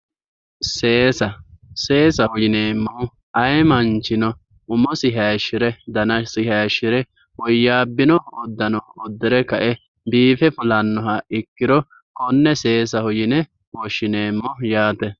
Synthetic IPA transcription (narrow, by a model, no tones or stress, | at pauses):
seːsɐseːsɐhʊjɪneːmːɔʊ | ɐjmɐnt͡ʃːɪnɔ | ʊmɔsɪɦaʃːɪɾɛd̪ɐnɐsɪɦaːʃːɪɾɛ | wɔjːaːbːɪnɔɔd̪ːɐnɔɔd̪ːɛɾɛkɐʔɛ | biːfɛfʊlɐnːɔɦɐɪkːɪɾɔ | kɔnːɛse̞ːsɐhʊjɪnɛ | wɔʃːɪne̞ːmːɔjaːt̪ɛ